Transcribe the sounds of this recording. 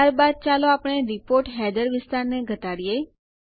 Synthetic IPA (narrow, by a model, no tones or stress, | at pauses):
aɾbad̪̚t͡ʃaloapɽ̃eɾɪpoɾʈɦɛd̪əɾʋɪst̪aɾneɡʱət̪aɽje